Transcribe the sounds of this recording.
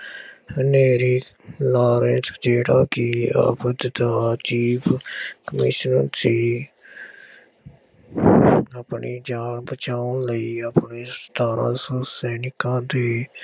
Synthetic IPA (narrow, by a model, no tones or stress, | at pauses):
neːɾiːlaːɾẽːskd͡ʒeːʈaːkiːa̰ːpəd̪d̪aːt͡ʃiːpʰkəmɪʃnəsiː | əpɳiːd͡ʒaːnbət͡ʃaːʊnləiːəpneːst̪ʰaːɾã̰ːsəsɛːnɪkãːd̪eː